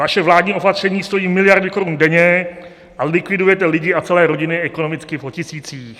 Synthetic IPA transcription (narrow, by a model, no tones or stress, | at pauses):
vaʃɛvlaːdɲiːʔo̞pat̪r̝̥ɛɲiːst̪o̞jiːmɪlɪjaɾdɪko̞ɾundɛɲɛ | ʔalɪkvɪdujɛt̪ɛlɪɟɪat͡sɛlɛːɾo̞ɟɪnɪʔɛko̞no̞mɪt͡skɪvocɪsiːt͡siːx